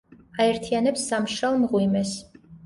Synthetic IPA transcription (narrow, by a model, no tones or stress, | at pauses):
aɛɾt̪ʰianɛpsːamʃalˠmʁwimɛs